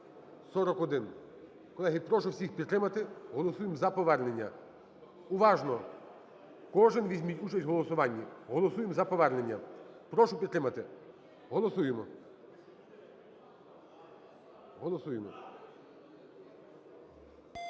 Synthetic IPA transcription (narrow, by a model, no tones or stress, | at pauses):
sɔɾɔkɔd̪ɪn | kɔlˠɛɦɪpɾɔʃʊwsʲixpʲid̪t̪ɾɪmɐt̪ɪɦɔlˠɔsujemzɐpɔʋɛɾne̞nʲːɐ | ʊʋɑʒnɔ | kɔʒɪnʋʲizʲmʲitʲut͡ʃɐsʲtʲɦɔlˠɔsʊʋɑnʲːiɦɔlˠɔsujemzɐpɔʋɛrne̞nʲːɐpɾɔʃʊpʲid̪t̪ɾɪmɐt̪ɪ | ɦɔlˠɔsujemɔ | ɦɔlˠɔsujemɔ